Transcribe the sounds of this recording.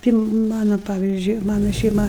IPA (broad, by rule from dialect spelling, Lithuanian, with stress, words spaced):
ˈtʲɪ ˈmɑːnɐ ˈpɑːʋʲiːzʲd͡ʒʲʊɪ ˈmɑːnɐ ʃʲɛɪˈmɐ